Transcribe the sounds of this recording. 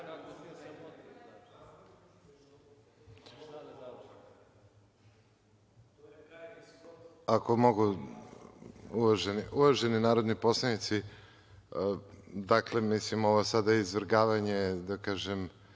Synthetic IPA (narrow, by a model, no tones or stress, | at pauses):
ako̞mo̞ɡu | uʋaʒeniuʋaʒe̞ninaːɾo̞d̪nipo̞slˠanit̪si | d̪aklemislimo̞ʋosad̪aizʋɾɡaːʋaɲe̞d̪akaːʒem